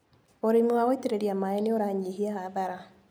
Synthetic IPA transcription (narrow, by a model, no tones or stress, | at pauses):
oɾimiwaɣoiteɾeɾiamaeneoɾaɲihiahaðaɾa